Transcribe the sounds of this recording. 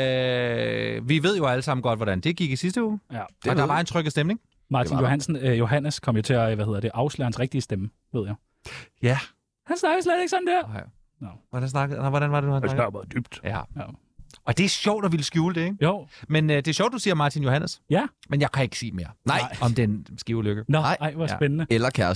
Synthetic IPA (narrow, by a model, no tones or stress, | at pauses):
ø | ʋiʋe̝ð̞̰ˠjo̝æləsɑ̈m̰n̩ɡ̥ɒ̽d̥ʋɒɾ̥ænd̥e̝ɡ̥iɡ̥isisd̥əuːd̥ɒdɑ̈ʋɑ̈e̝nt͡sʰʁœɡ̥əsd̥emne̝ŋ | mɑ̈ːinjo̝hænsn̩jo̝ɦæn̰əskʰɒ̽m̰jo̝t͡sʰe̝æʋæhe̝ðˠɐd̥eʔɑ̈ʊslø̰hænsʁɛɡ̥̚d̥iəsd̥emə | ʋe̝ð̞̰ˠjaɪ | jæ | hænsnɑ̈ɡ̥əsleðˠe̝ɡ̥sɒ̽m̩d̥eɐ | ʋɒd̥ænsnɑɡnɪʋɒɾænʋɑ̈ded̥uhænsɡb̥d̥yb̥d̥æj | ɒ̽d̥e̝æɐɕɒʊ̰d̥ɒʋiləsɡ̥juːləd̥e̝joʊmenəd̥e̝æɐɕɒ̰ʊd̥ːusiːɐmɑ̈ːt͡sʰinjo̝hænʔəsjæmenjäɪkʰæe̝ɡ̥ə̥sḭːme̝ːɐnɑ̈ɪ̰ɒ̽md̥ensɡ̥iʊløɡ̥ənɑɪ̰ɑɪʋɑsbenənəelɐkʰæɐs